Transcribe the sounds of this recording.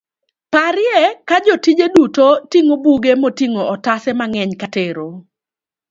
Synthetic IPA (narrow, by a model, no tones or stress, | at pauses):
paɾɪjɛkad͡ʒɔtid͡ʒedutotiŋobuɡemotiŋoɔtasɛmaŋɛɲkateɾo